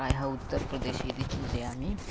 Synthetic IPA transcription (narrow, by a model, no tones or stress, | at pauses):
ajɦəut̪ːəɾpɾəd̪eɕed̪it͡ʃʰint̪eami